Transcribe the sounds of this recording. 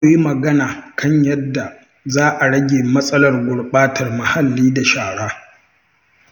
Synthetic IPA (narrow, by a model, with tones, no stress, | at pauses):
ji˦mɐ˨ɡɐ˦naː˨kʰɐ˦ɲjɐ˦dːa˨ | zaː˦ʔa˨ɽɐ˦ɡʲeː˨mɐ˦sʼɐ˦lɐ˨rɡʷʊ˨ɽɓaː˦tʰɐ˨rmɐ˨ha˨lːiː˦da˨ʃaː˨ɽaː˦